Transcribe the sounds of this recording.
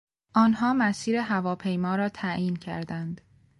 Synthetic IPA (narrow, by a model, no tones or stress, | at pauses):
ʔɒːnɦɒːmæsiːɾeɦævɒːpʰejmɒːɾɒːt̪ʰæjiːncʰæ̰ɾd̪ænd̪